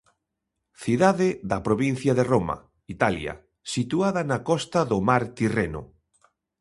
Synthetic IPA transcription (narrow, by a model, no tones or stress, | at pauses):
θiðaðeðɐpɾoβin̟θjaðeromɐ̰ | it̪aljɐ̰ | sit̪uaðɐnakɔst̪aðomaɾt̪irenʊ̰